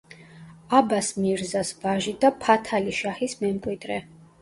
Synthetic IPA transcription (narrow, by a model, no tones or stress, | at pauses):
abasmiɾzasvaʒid̪apʰat̪ʰaliʃahismɛmkʼwid̪ɾɛ